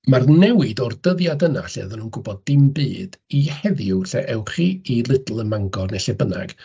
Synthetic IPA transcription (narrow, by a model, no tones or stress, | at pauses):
marnɛwɪdɔrdəðjadəna̰ɬɛðɔnuːnɡʊbɔdːɪmbɨːd̥ihɛðjʊwɬɛʔɛwχiilˠɪdl̩ˠəmaŋɡɔrnɛɬɛbəna̰ɡ̥